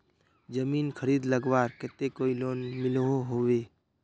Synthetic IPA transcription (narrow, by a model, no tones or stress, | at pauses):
d͡ʒəmiːnkʰəɾiːd̪ləɡwaːɾkɛt̪ekoːiloːnmɪloɦoɦoweː